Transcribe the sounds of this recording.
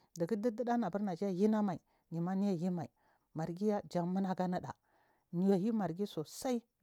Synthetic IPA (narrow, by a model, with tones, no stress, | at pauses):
di˨ɡi˦di˦di˦ɗa˦na˨bu˦ɾna˨d͡ʒi˦ja˨ji˦na˦ma˨i˨ | ni˨ma˦ni˦ja˨ji˦ma˨i˨ | ma˨ɾɡi˦ja˦d͡ʒa˨ŋmə˦na˦ɡa˦nə˦ɗa̰˨ | ni˨ja˨ji˦ma˨ɾɡi˦so˨sa˦i˦